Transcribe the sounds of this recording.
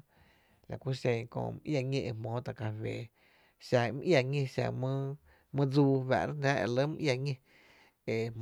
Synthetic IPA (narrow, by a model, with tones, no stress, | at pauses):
la̰˨kʷu˦ʃẽ˧˨kõ̰˧˨m˦ʔja˧˨ŋẽ˧ʔe˧mõː˨˦t̪a˨ka˧˨weː˨ | ʃa˧˨˧m˧ʔja˧˨ŋẽ˧ʃa̰˧˨mɨ̃˦ | mɨ̃˦d͡zuː˧wa̰˨ʔɾa˦nãː˦ʔḛ˨lə˦m̩ũ˧ʔja˧ŋẽ˧ | e˨